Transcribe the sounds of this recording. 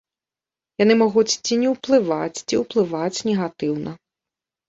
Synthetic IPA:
janɪmɔɣut͡sʲt͡sʲinʲɛwplˠɪʋat͡sʲt͡sʲiwplˠɪʋat͡sʲnʲɛɣat̪ɪwnɐ

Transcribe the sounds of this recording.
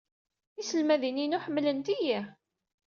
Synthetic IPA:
isəlmæðininuħəmːlənt̪ijæ

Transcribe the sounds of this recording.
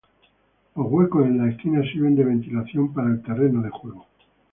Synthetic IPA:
lo̞zɣwe̞kosenlaeskinasiɾβe̞nd̪e̞β̞e̞nt̪ilaθjo̞mpaɾaelt̪ere̞noðe̞xwe̞ɣ̞o

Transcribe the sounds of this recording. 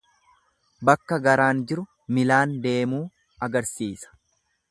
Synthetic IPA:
bɐkːɐɡɐɾaːnd͡ʒɪɾʊ | mɪlaːnd̪e̞ːmuː | ɐɡɐɾsiːsɐ̥

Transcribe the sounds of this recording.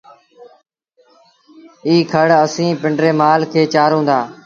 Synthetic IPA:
iːkʰəɽəsĩːpɪɳɖɾeːmaːlkʰeːt͡ʃaːɾɦõːnd̪aː

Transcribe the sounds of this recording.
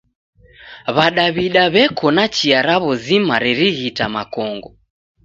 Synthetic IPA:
βaɗaβiɗaβɛkʰɔnat͡ʃiaɾaβɔzimaɾɛɾiɣitamakɔŋɡɔ

